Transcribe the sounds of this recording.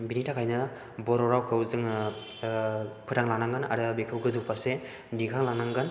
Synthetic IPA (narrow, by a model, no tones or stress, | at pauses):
binitakʰajnɯ | bɔɾɔɾawkʰɯwzɯŋ | pʰɯtaŋlaŋnaŋɡɯna̰ɾɯbekʰɯwɡɯzɯwpaɾse | diɡʰaŋlaŋnaŋɡɯn